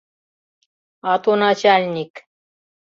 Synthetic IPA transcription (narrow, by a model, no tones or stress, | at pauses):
ɑt̪onɑt͡ʃalʲnʲik